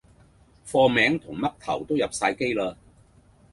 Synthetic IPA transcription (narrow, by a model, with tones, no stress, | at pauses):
fɔː˧mɛː˨˥ŋt̪ʰʊ˨˩ŋmɐ˥k̚t̪ʰɐ˨˩wt̪o˥wjɐ˨p̚saː˧jke˥jlaː˧